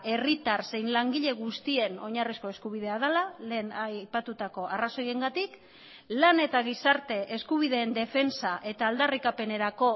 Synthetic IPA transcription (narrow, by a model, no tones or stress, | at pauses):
e̞rit̪arse̞jnlaŋɡiʎe̞ɣust̪ie̞no̞ɲarisko̞e̞skuβ̞ið̞eað̞alale̞ːnapat̪ut̪ako̞ʔaraso̞je̞ŋɡat̪ik | lane̞t̪aɣ̞isaɾt̪e̞ʔeskuβ̞iðe̞ːnd̪e̞fe̞nsaʔe̞t̪aːld̪arikape̞ne̞ɾako̞